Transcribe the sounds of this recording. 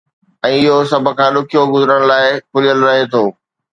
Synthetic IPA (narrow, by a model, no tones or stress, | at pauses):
ɛ̃ːɪɦosɐbʱʊ̆kʰãːɗʊkʰijoɡʊzəɾəɽ̃̆laːɪkʰʊlijəlɾɐɦet̪ʰoː